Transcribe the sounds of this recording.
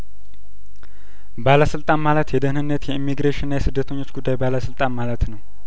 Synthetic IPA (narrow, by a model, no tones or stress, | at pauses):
baləsɨlt̪ʼanmalət̪jɛd̪əhnɨnːət̪jɛimːiɡɾeʃɪnːajɛsɨd̪ːət̪ʰəɲːo̞t͡ʃːɡud̪ːajbaləsɨlt̪ʼanmalət̪nəw